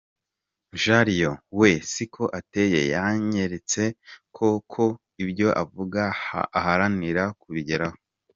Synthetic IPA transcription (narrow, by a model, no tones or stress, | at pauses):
ʒaɾijowe̞sikʰo̞ʔate̞je̞̰jaɲe̞ɾet͡sekʰo̞kʰo̞ | ibɟo̞ʔavuɡa̰ːhaɾaniɾakuβiɟeɾaho